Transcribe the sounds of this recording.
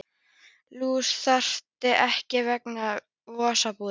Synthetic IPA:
luːsθar̥t̪ɪʔɛhcɪvɛkna | vɔːsapuː

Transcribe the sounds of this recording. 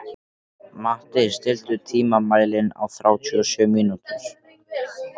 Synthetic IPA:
maht̪ɪst̪ɪl̥t̪ʏt̪ʰiːmamaːjlɪna̰wθɾaːwt̪ʰyːɔsʏːmiːnut̪ʏɾ̥

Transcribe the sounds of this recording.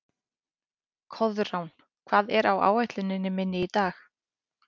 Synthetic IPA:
kʰɔðrawn | kʰv̥aːðɛɾawa̰ːwajt̪lʏnɪnːɪmɪnːɪit̪aːx

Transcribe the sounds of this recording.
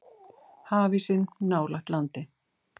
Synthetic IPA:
haːvisɪnːaːwlaxt̪lant̪ɪ

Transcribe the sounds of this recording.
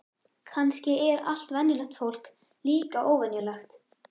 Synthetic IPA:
kʰanscɪɛɾa̰l̥t̪vɛnːɪlɛxt̪fowl̥k | liːkaʔoːwvɛnjʏlaxt̪

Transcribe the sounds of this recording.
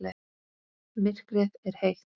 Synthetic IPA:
lɛ | mɪr̥kɾɛðɛɾ̥hejh

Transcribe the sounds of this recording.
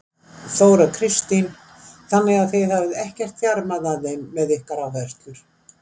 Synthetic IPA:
θoːwɾakʰɾɪst̪in | θanːɛɣaðθejθavɪðɛhcɛr̥t̪fjaɾmaðaðejmːɛðɪhkaɾavɛst̪lʏɾ̥

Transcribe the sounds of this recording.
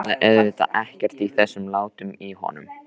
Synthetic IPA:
ðaʔɛðvɪt̪a̰ʔɛhcɛr̥t̪iθɛsːʏmlaːwt̪ʏmihɔ̰ːnʏm

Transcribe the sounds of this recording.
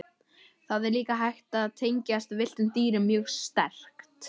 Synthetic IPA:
θaðɛɾliːkaɦajxt̪aːðt̪ʰejɲcast̪vɪl̥t̪ʏmt̪iːɾɪmːjœːɣst̪ɛr̥kt̪

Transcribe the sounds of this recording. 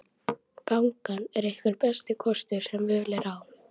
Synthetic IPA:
kawŋkanɛɾehkvʏɾpɛst̪ɪkʰɔst̪ʏɾ̥sɛmvɪðlɛɾaw

